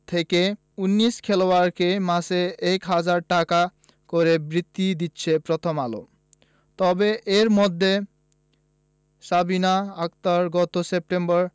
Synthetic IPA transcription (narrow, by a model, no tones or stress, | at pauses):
t̪ʰeke | unːiskʰeloaɾkemaseɛkɦad͡ʑaɾʈaka | koɾebɾit̪ːid̪itːɕʰepɾɔt̪ʰomalo̰ | t̪ɔbeʔeɾmɔd̪ʱːe | sabinaak̚t̪aɾɡɔt̪osep̚ʈembɔɾ